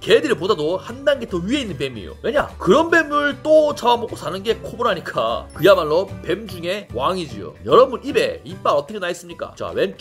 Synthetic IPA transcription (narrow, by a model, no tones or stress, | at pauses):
kedɯɾipodadohandanɡetʰoɥie̞inːɯnpe̞mḛjo̰we̞ɲa̰kɯɾʌnbe̞mɯɭt͈ot͡ɕaamok͈osʰanɯnɡe̞kʰoboɾɦaɲik͈a̰kɯjamaɭːʌpe̞md͡ʑuŋe̞waŋid͡ʑḭo̰jʌɾʌbunibe̞̰ip͈aɾʌt͈ʰʌkʰenais͈ɯmɲik͈a̰t͡ɕa̰we̞nt͡ɕ